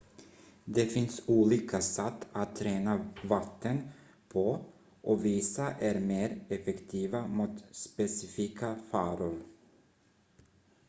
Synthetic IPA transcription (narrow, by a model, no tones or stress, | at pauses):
d̪ɛfɪnsuːliːkʰasɛt̪ːat̪ʰːɾeːnavat̪ːən | pʰɔ | ʔɔviːsaʔæɾmeːɾɛfɛkt̪ʰiːvamuːt̪spɛsɪfiːkʰafɑːɾʊɾ